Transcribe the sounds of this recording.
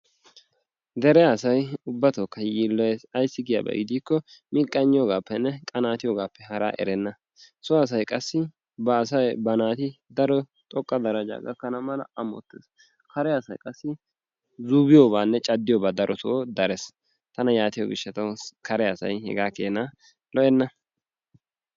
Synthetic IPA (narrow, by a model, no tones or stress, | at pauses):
d̪ɛɾɛjasɐjʊbːɐt̪oːkːɐjiːlːɔjesɐjsːɪɡɪja̰ːbɐ̰ɡɪd̪iːkːɔmɪːkʼːɐɲːɪjoːɡaːpːɛnːɛkʼɐnaːt̪ɪjoːɡaːpːɛɦɐɾa̰ːʔɛ̰ɾɛnːɐ | sʊɐs̬ɐjkʼɐsːɪ | bɐːsɐjbɐnaːt̪ɪd̪ɐɾɔ | t̪ʼɔkʼːɐd̪ɐɾɐd͡ʒa̰ːɡɐ̰kːɐnɐmɐlɐ̰ɐmɔ̰t̪ːḛːs | kɐɾɛɐsɐjkʼɐsːɪ | zubɪjoːbaːnːɛt͡ʃʼɐd̪ːɪjoːbaːd̪ɐɾʔɔt̪ɔod̪ɐɾɛs | t̪ɐnɐjaːt̪ɪjo̰ɡɪ̰ʃːɐt̪ɐwkɐɾɛɐsɐ̰jhɛ̰ɡaːkeːnɐ | lɔʔɛnːɐ